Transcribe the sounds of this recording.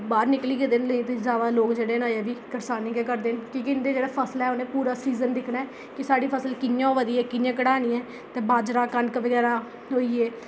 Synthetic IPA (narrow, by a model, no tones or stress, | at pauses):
baːɾnɪkliːɡed̪enləĩːt̪ːzaːd̪aːloːkd͡ʒeːɽeːnaːeːʋiːkəɾsaːnikɛːkəɾd̪eːnkɪkɪnd̪eːd͡ʒeːɽaːpʰəslɛːʊnẽːpuːɾaːsiːzənd̪ɪkʰnaːɛː | kɪsaːɽiːpʰəsəlkɪnjãːʋəd̪iːɛːkɪnjãːk̬əɽaːniːɛː | t̪eːbaːd͡ʒɾaːkənkʋəɡɛːɾaː | ɦoːiːeː